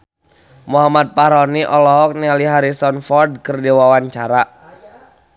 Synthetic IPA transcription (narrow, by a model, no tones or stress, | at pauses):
muɦamat̪̚paɾɔniʔɔlɔɦɔk̚nialiɦaɾisɔnfɔrd̚kərdiwawaɲt͡ʃaɾa